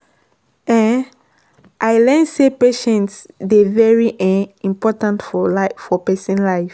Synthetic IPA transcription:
ɛ̃n | ʔajlɛ̃nsepeʃɛ̃ntsdevɛɹiʔĩmpɔtãntfɔlafɔpɛsĩnlaɪf

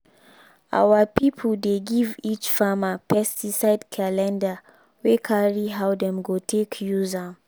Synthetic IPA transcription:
ʔa̰wapipʰldeɡivit͡ʃfamapʰɛstisaɪdkʰalɛ̃nda | wekʰaɹiɦawdɛ̃mɡotʰekʰjuza

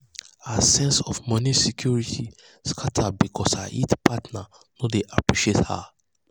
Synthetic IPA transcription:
asɛ̃nsɔfmɔ̃nisikʰjuɹitʰi | skʰatʰabikʰɔsaʔḭtpʰatna | nodeʔapɹiʃetha̰

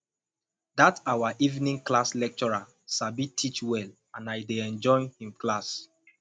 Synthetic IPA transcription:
datawaʔivnĩŋklaslɛk̚t͡ʃɔɹa | sabitʰit͡ʃwɛl | ãnajdeɛ̃nd͡ʒɔ̃ɪnhĩmklas

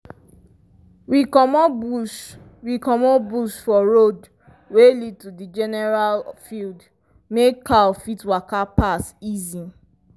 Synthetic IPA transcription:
wikɔmɔu | wikɔmɔbusfɔɹod | welid̚tudid͡ʒɛnɛɹalfild | mekʰːafitwakapasizi

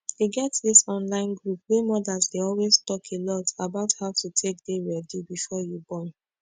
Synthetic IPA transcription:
iɡɛtdisɔ̃nlãɪ̃nɡɹup̚wemɔdazdeɔlweztɔkʰelɔtabaʊthaʊtutʰek̚deɹɛdibifɔjubɔ̃n

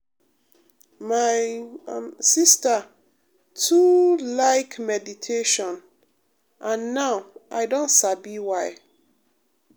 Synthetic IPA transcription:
maɪ | sista | tʰulaɪkmɛditʰeʃɔ̃n | ʔãnːaʊʔa̰ɪdõntsabiwaɪ

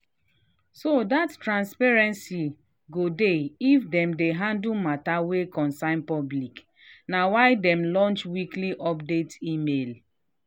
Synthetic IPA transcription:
sodattːɹãnspɛɹɛ̃nsi | ɡodeifdɛ̃mdeɦãndumatawekɔ̃nsãɪ̃npɔblik | nawaɪdɛmlɔ̃nt͡ʃwikliʔɔp̚detimel

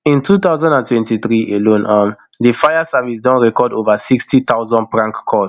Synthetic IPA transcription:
ĩntʰut̪aʊzɔ̃ndãntwɛ̃ntiθɹiʔelõnam | difajasavisdɔ̃nɹɛkɔdovasikstit̪aʊzɔ̃n̚pɹãŋkkʰːɔs

